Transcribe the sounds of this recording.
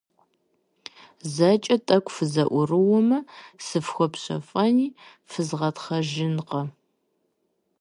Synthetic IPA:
zɐt͡ʃʼɐtʼɐkʷʰʼfɨzɐʔʷʊrɨwɔmɐsɨfxʷɔpɕʷɐ̰fʼɐniː | fɨzʁɐtχɐʒɪnqɐ

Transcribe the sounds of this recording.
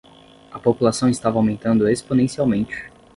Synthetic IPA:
ɐpopulasɐ̃w̃ɪst̪avɐawmẽnt̪ɐ̃nd̪ʊesponẽsiawmẽnt͡ʃɪ̥

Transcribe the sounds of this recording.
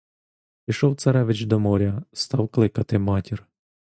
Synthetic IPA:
pʲijʃɔwt̪sɐɾɛʋɪt͡ʃd̪ɔmɔɾʲɐst̪ɑwklˠɪkɐt̪ɪmɑtʲir

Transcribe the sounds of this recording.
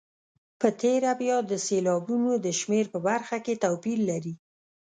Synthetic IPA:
pət̪eɾabjɑd̪əselɑbunod̪əʃmeɾpəbaɾxaket̪awpilːaɾi

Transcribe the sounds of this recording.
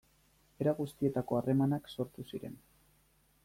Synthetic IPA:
e̞ɾaɣust̪ie̞t̪ako̞are̞manakso̞ɾt̪usiɾe̞̰n

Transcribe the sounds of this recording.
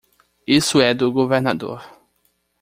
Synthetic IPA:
isʊɛd̪ʊɡoveɾnad̪o̰ɾ

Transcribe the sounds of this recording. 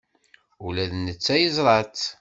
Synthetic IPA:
ulæðnət͡sːæjəzˤɾˤɑt̪

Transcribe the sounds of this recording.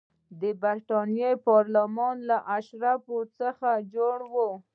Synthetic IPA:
d̪əbaɾʈɑnjepɑɾlamɑnlaʔaʃɾafot͡səxad͡ʒoɽwo

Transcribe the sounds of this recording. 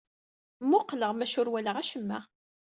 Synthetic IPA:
mːʊqːləʁmæʃʊɾwæləʁæʃəmːæ̰

